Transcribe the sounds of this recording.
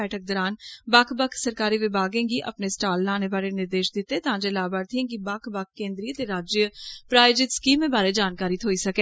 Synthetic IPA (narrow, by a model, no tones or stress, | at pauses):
ɛːʈək̚d̪ɔːɾaːnbakʰbəkʰsəɾkaːɾiːʋɪbʱaːɡẽːɡiːʔə̰pneːsʈaːlːaːneːbaːɾeːnɪɾd̪eːʃd̪ɪt̪ːeːt̪ãːd͡ʒeːlaːbaːɾt̪ʰĩɡibakʰbakʰːẽːnd̪ɾiːt̪eːɾaːd͡ʒjəpɾaːɪd͡ʒɪt̪skiːmẽːbaːɾeːd͡ʒaːnkaːɾiːt̪ʰoːiːsəkeː